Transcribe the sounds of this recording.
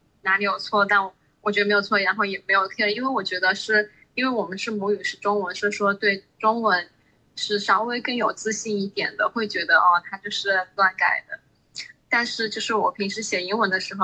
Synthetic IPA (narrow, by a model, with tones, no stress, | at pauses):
na˧˥mi˧˥jo˨˩ʊt͡sʰwɔ˥˩t̪a˥˩nɔ˨˩ | wɔ˨˩t͡ɕɥd̪ə˧˥ɪjʊt͡sʰɔ˥˩ɻa˧˥nxo˥˩ʊjɛ˨˩me˧˥ɪjo˨˩ʊt̪ʰɛ˥˩˧i˥nwe˥˩ɪwɔ˨˩t͡ɕɥɛ˧˥d̪ə˧ʂɻ̩˥˩ | i˥nwe˥˩ɪwɔ˨˩mə˦nʂɻ̩˥˩mu˧˥y˨˩ʂɻ̩˥˧ʈ͡ʂʊ˥ŋwə˧˥nʂɻ̩˥˧˩ʂwɔ˥t̪we˥˩ɪʈ͡ʂʊ˥ŋwə˧˥n | ʂɻ̩˥˩ʂɑ˥ʊwe˥ɪkɤ˥˩ŋjo˨˩ʊt͡sɹ̩˥˧ɕi˥˧ni˥˩t̪jɛ˨˩nd̪ə˦xwe˥˩ɪt͡ɕɥɛ˧˥d̪ə˧ʔɐ˥˧t̪ʰa˥t͡ɕjo˥˧ʊʂɻ̩˥˩t̪wa˥˩nka̰˨˩ɪd̪ə˦ | t̪a˥˧nʂɻ̩˥˧t͡ɕjo˥˧ʊʂɻ̩˥˩wɔ˨˩pʰi˧˥ŋʂɻ̩˥ɕjɛ˨˩i˧˥ŋwə˧˥nd̪ə˧ʂɻ̩˧˥xo˧ʊ